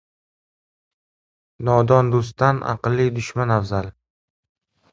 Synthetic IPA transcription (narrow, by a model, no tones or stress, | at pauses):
nɒd̪ɒnd̪os̬t̪ːanʔa̰qɨlˠːid̪ʊʃmanavzal